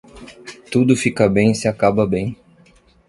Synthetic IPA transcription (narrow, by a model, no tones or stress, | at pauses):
t̪ud̪ʊfikɐbẽj̃sɪakabɐbẽj̃